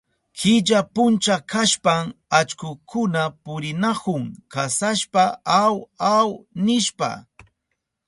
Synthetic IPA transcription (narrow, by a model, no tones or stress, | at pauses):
kɪʎapʊnt͡ʃakʰaʃpamat͡ʃkʊkʰʊnapʊɾɪnakʊŋkasaʃpaawawnɪʃpa̰